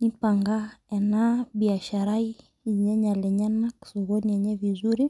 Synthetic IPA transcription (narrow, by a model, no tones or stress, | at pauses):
nipaŋɡaɛnabiaʃaɾai | ɲɛɲalɛɲanaki̥sɔɣɔniɛɲɛvizuɾi